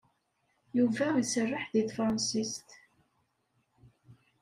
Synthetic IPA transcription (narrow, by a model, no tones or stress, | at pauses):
juvæisərːɪħðiθfɾˤɑnsist̪